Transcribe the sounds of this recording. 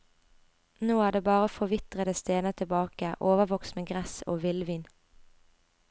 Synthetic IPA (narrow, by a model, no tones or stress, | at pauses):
noːæːɖ̪eːbɑːʁəfɔʋɪt̪ʁəd̪əst̪eːnət̪ʰɪbɑːkəʔoːʋəʋɔkst̪meːɡʁɛso̰ːʋɪlʋiːn